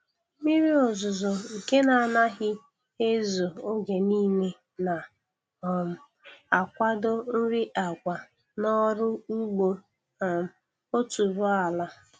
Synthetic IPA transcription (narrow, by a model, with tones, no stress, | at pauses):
mi˦ɾi˦o˨zʊ˨zɔ˨ŋ̩˨ke˦na˨a˨na˦ɦɪ˦ | e˦zo˨o˦ɡe˨niː˦ne˦ | na˨ | m˨ | a˨kʷa˦do˦n̩˦ɾi˦ʔa˨ɡʷa˨ | nɔ˦ɾʊ˦ŋ͡m̩˦ɡ͡bo˦˨ | m˨ | o˦tu˨bʊ˦a˨la˦